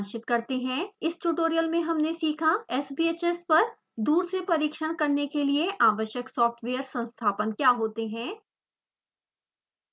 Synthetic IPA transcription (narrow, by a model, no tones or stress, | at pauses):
nʃɪt̪kɐɾt̪eɦɛ̃ːɪsʈuʈoːɾijəlmẽɦɐmnesiːkʰaɛːsbiːeːt͡ʃespɐɾ | d̪uːɾsepɐɾiːkʃəɽ̃kɐɾnekelieʔaːʋəʃjəksɔːfʈʰʋeːəɾsɐ̃nst̪ʰaːpənkjaːɦoːt̪eɦɛ̃ː